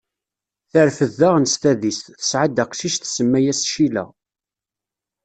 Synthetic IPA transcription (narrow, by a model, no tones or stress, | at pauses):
θəɾfəðːaʁnst̪æðist̪θə̥sʕad̪æqsiʃθsəmːæjæsʃilæ̰